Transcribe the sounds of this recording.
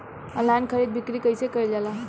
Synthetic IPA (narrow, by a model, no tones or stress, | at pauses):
əlankʰəɾid̪̚bʱikɾikəjsekəild͡ʒala